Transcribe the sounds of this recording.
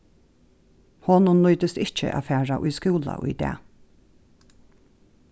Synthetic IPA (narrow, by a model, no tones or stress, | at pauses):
hɔnunlɔːt̪əst̪ɪt͡ʃə̰ʔa̰ːfæːɹaʔʊjskuːla̰ʔʊ̰jd̪ɛ̰ː